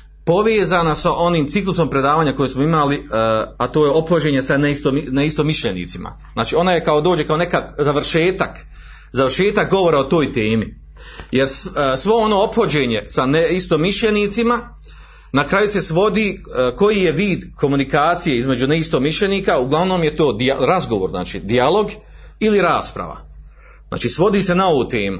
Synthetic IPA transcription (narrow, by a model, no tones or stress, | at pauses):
po̞ʋeːzaːnasaʔo̞niːmt̪siklˠuso̞mpɾe̞d̪aːʋaːɲako̞jesmo̞imaliat̪o̞ːjeo̞pxod͡ʑe̞ːɲe̞saneist̪omneist̪o̞miʃʎenḭːt̪sima̰ | znaːt͡ʃiːo̞najekao̞d̪o̞ːd͡ʑe̞kao̞ne̞kakzaʋɾ̩ʃe̞ːt̪ak | zaʋrʃe̞ːt̪ak̚ɡo̞ʋoɾaot̪o̞ːjt̪eːmi | je̞ɾssʋo̞ono̞ːopxod͡ʑe̞ːɲe̞saneist̪o̞miʃʎe̞niːt̪sima | nakɾaːjuse̞sʋo̞d̪iːko̞jije̞ʋiːd̪kʰo̞munikaːt̪sije̞izme̞d͡ʒuneist̪omiʃʎe̞niːkauɡlˠaʋno̞ːmje̞t̪o̞ːd̪iaɾazɡo̞ʋoːɾzna̰ːt͡ʃḭːd̪ialˠo̞ɡ | iliɾaːspɾa̰ʋa̰ | za̰ːt͡ʃiːsʋo̞d̪iːse̞nao̞ʋuːt̪e̞ːmu